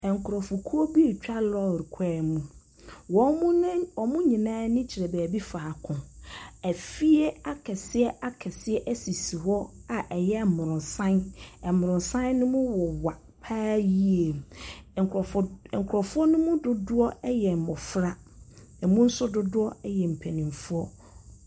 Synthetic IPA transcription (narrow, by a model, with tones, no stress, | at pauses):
ɛ˨ŋ˨kʰʊ˨ɾɔ˨fʊ˨kʰu˦o˦bi˦e˨t͡ɕᶣa˦lɔ˦˨ɾi˨kʰɛː˦˨mũ˦ | wɔ̃˨˦ɔ˨mʊ̃˦ɲĩ˨nãː˦nɪ̃˦t͡ɕʰɪ˨ɾɛ˨bæː˨bi˦faː˨kʰʊ̃˨æ˨fi˦e˦a˦kʰɛ˨sɪ˦ɛ˦ʔa˦kʰɛ˨sɪ˦ɛ˦ʔæ˦si˨si˨hɔ˦a˨ʔɛ˨jɛ˦˨mʊ̃˨ɾʊ̃˨n˨sã˦nɛ˨mʊ̃˨ɾʊ̃˨nsã˦nːʊ̃˦mʊ̃˦wɔ˨wa˨ | pʰaː˦ji˦e˨m˨ | ŋ̩˨kʰʊ˨ɾɔ˨fʊ˦ɔ˦nʊ̃˦mũ˦dʊ˦dʊ˦ɔ˦ɛ˦jɛ˨m̩˨mɔ˨fɾa˦ | ɛ˨mũ˦n̩˦sʊ˦dʊ˦dʊ˦ɔ˦ɛ˦jɛ˨m̩˨pʰɛ˨nĩ˨ɱ˨fu˦ɔ˦